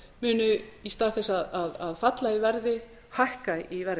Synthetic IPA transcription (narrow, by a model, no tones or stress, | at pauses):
mʏːnʏist̪aːðθɛsːaðaðaðfat̪laivɛɾðɪ | hahkaivɛɾ